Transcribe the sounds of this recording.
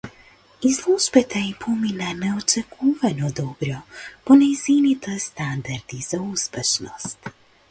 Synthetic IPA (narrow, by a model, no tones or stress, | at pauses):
izlˠuʒbɛt̪ʰɛipʰɔminanɛɔt͡ʃɛkʰuvɛnɔd̪ɔbɾɔpɔnɛjzinit̪ʰɛst̪and̪aɾd̪iz̥auspɛʃnɔst̪